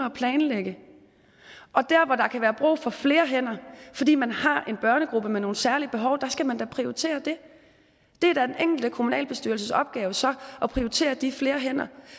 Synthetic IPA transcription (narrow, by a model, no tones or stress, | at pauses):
ɐɒpʰlɛːnleɡ̥ə | ʔɒ̽d̥æɐ̰ʋɒd̥ɑ̈kʰæʋæːɐb̥ʁṵːfɒ̽fle̝ːɐɦen̰ɐfɒ̽d̥ḭːmænhɑ̈ʔe̝nb̥ɶɐnəɡ̥ʁub̥əmeno̝ːn̩sæɐlib̥e̝ɦɒ̽ʊd̥ɑ̈sɡ̥æmænd̥æpʰʁioʁit͡sʰe̝̰ːɐd̥e̝ | d̥e̝æɐd̥æd̥eneŋ̰ɡ̥l̩d̥əkʰo̝munɛ̰ːlb̥e̝sd̥yɐl̩səsɒ̽b̥̚ɡ̥ɛːʊəsɒ̽ʔɒ̽pʰʁioit͡sʰe̝̰ːɐd̥ifle̝ːɐɦen̰ɐ